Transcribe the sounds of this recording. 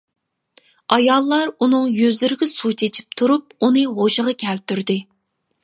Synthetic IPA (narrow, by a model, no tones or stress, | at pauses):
ɑjɑlˠːɑɾunɨŋjøzlyɾɪɡʲɛsut͡ʃʰet͡ʃʰi̥p̚t̪ʰuɾup̚unɨɦoʃəʁɑkʲʰɛlt̪yɾd̪ɪ